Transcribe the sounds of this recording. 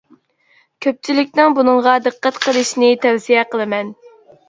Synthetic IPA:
kʲʰøp̚t͡ʃʰilɪkʲnɪŋbunɨŋʁɑd̪ɨqːæt̪qʰəlˠɨʃnɪt̪ʰɛwsijɛqəlˠɨmɛn

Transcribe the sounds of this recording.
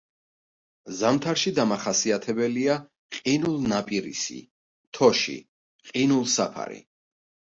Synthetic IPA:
zamt̪ʰaɾʃid̪amaχasiat̪ʰɛbɛlia | qʼinulˠnapʼiɾḭsḭ | t̪ʰɔʃḭ | qʼinulˠsapʰa̰ɾḭ

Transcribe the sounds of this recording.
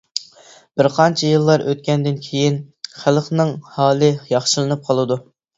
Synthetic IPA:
b̥ɪɾqʰɑnt͡ʃʰɛjɨlˠːɑɾʔøt̪̚kʲɛnd̪ɪnkʲʰejinχælˠχnɨŋhɑːlˠɨjɑχʃɨlˠɨnɨp̚qʰɑlˠɨd̪u

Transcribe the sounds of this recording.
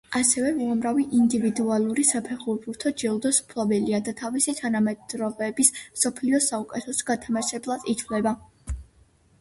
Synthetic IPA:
asɛvɛuamɾaviʔind̪ivid̪ualˠuɾisapʰɛχuɾbuɾt̪ʰɔd͡ʒɛlˠd̪ɔsmpʰlˠɔbɛliad̪at̪ʰavisit̪ʰanamɛd̪ɾɔbɛbismsɔpʰliɔsaukʼɛt̪ʰɛsɡat̪ʰamaʃɛblˠad̪̥it̪ʰvlɛba

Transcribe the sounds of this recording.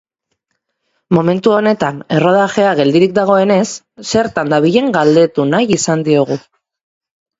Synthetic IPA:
mo̞me̞nt̪uo̞ne̞t̪ane̞ro̞ð̞aʝe̞aɣe̞ld̪iɾik̚d̪aɣ̞o̞e̞ne̞sː | e̞ɾt̪and̪aβiʎe̞ŋɡald̪e̞t̪unajisand̪io̞ɣ̞u

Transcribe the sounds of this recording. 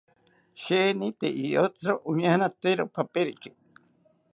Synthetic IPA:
ʃenĩt̪eʔiot͡sɾoʔuɲahanãt̪eɾopʰapeɾiki

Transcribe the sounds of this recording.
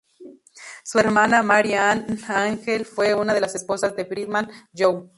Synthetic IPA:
sueɾmanamaɾjanaŋxelfweunaðelasesposazd̪efɾiðmand͡ʒow

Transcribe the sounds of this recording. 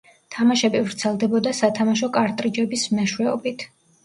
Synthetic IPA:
t̪ʰamaʃɛbivɾt̪sʰɛlˠd̪ɛbɔd̪asat̪ʰamaʃ̬ɔkʼaɾt̪ʼɾid͡ʒɛbismɛʃwɛɔ̰bit̪ʰ

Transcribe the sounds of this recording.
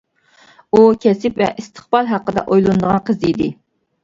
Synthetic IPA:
ukʲʰɛsɪpvɛ̰ʔist̪ʰə̥χbɑlˠɦɑqːəd̪ɛ̰ʔojlˠund̪əʁɑnqʰəzɨid̪ɪ

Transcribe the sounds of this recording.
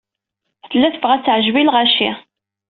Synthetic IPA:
θəlːæθəvʁæt͡sːʕəʒbilʁæʃḭ

